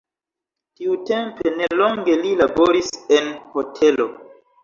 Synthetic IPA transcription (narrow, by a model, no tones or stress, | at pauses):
tiute̞mpe̞ne̞lo̞ŋɡe̞lilabo̞ɾise̞nho̞tʰe̞lo̞